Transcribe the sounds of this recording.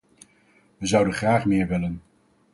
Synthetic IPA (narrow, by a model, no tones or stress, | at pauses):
ʋəzʌwdənχraːχmɪːɹʋɪlən